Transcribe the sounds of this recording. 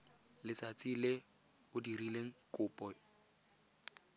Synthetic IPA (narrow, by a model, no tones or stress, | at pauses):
lɪt͡sat͡sʼilɪ | ʊdirileŋ̩kʼʊːpʼɔ